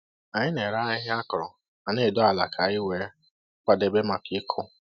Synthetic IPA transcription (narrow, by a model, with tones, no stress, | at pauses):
a˨ɲɪ˦ne˨ɾa˦ɪ˦ɦɪ˦a˦kʊ˨ɾɔ˨ | a˨ne˦˨dɔ˦a˨la˨kʰa˨i˦we˨˦ | k͡pa˨de˨be˦ma˨kɪ˦kʰʊ˦